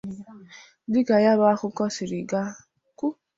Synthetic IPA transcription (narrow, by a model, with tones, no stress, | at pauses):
dɪ˦ka˨ja˦ba˦a˦kʊ˦kɔ˦sɪ˨ɾɪ˨ɡa˦ | ku˦